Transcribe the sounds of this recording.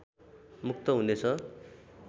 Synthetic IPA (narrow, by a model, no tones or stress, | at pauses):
mukt̪ʌɦunet͡sʰʌ